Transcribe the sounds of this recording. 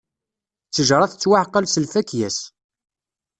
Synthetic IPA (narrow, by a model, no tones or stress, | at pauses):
t͡sːəʒɾˤɑθt͡sːwaħqːɑlsəlfækjæs